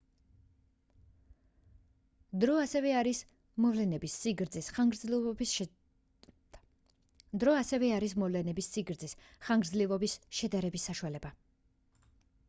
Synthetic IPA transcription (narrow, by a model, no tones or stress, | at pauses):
d̪ɔasɛvɛaɾis | mɔvlɛnɛbisːiɡɾd̪zisɡɾ | d̪ɾɔasɛvɛaɾismɔvlɛnɛbisːiɡɾd̪zisχaŋɡɾd̪zlivɔbisʃɛd̪aɾɛbisːaʃualɛba